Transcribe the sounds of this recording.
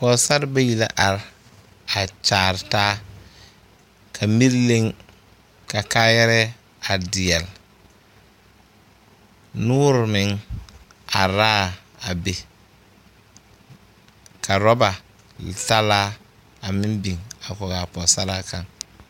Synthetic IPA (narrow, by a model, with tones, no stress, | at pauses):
pɔ˨sa˦ɾba˦ji˨la˦ʔa˨ɾ | a˨t͡ʃaː˨ɾtaː˦ | kʰa˨mi˦ɾle˦ŋ | ka˨kaː˦jɛ˦ɾɛ˦ | a˨dɪ˨ɛ˨l | nuː˦ɾmɪ˨˦ŋ | a˨ɾaː˦ | a˨be˨ | kʰa˨ɾɔ˦ba˨ | ta˦laː˦ | a˨mɪ˦mbi˨ŋa˨kɔ˨ɡa˨pɔ˨sa˦ɾa˦ka˨ŋ